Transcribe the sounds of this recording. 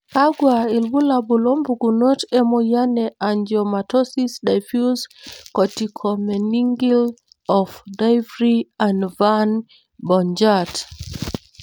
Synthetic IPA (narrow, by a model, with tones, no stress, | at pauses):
ka˦ɡwa˨i˨lbu˦la˨bu˨lɔ˦mbu˨ɡu˨no˦tɛ˦mɔ˨ja˦nɛ˨ʔa˨nd͡ʒjɔ˨ma˨tɔ˦si˦sda˨jfju˦skɔ˨ti˨kʰɔ˨mɛ˨ni˦ŋɡi˦l | ɔ˨fda˦jvɾia˨ndva˦n | bɔ˨nd͡ʒa˦t